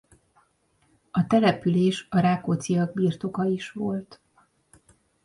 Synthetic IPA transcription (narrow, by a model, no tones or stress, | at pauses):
ɒt̪ɛlɛpyleːʃɒɾaːkot̪sijɒɡ̚biːrt̪o̞kɒiʃʋo̞lt̪